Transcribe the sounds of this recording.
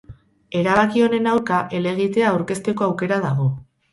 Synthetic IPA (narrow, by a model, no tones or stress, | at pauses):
e̞ɾaβakio̞ne̞nawɾkaʔe̞le̞ɣit̪e̞aːwɾke̞st̪e̞ko̞awke̞ɾað̞aɣ̞o̞